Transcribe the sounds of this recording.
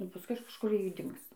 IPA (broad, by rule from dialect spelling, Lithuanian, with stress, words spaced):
nʊ pɐˈskʊɪ kɐʃˈkʊr ˈjɪ ˈdʲɪŋks